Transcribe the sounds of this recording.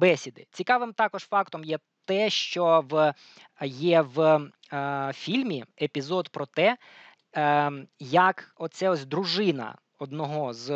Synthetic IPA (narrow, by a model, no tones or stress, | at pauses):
bɛsʲid̪ɪt͡sʲikɑʋɪmt̪ɑkɔʒ̥fɑkt̪ɔmjɛ | t̪ɛʃt͡ʃɔʋ | jɛʋ | fʲilʲmʲiepʲizɔd̪pɾɔt̪ɛ | jɐkɔt̪sɛɔsʲd̪ɾʊʒɪnɐ̰ | ɔd̪nɔɦɔz